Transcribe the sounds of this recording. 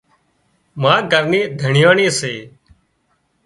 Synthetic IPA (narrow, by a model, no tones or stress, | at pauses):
mãːɡəɾneːd̪ʱəɳɪjaːɳeːseː